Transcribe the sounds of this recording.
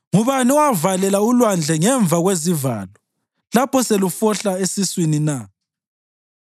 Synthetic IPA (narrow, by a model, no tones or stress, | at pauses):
ŋuβaniɔwavalɛlaulwand͡ɮʱɛŋɛɱb̪vʱaɣweziva̰ːlɔ | lapʰɔselufɔɬaesiswinina